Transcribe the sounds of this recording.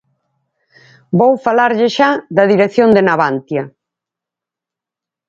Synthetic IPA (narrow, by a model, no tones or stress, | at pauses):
bowfalaɾʎɪʃaðɐðiɾekθjond̪enaβant̪jɐ